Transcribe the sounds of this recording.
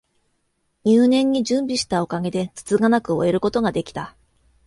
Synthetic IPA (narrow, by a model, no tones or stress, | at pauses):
ɲʲɨːnẽ̞ɲ̟ːid͡ʑɨ̃mbʲiɕi̥t̪ao̞kaɡe̞d̪e̞t͡sɨ̥t͡sɨɡanakɯ̟o̞̰e̞ɾɯ̟ko̞t̪o̞ɡad̪e̞kʲi̥t̪a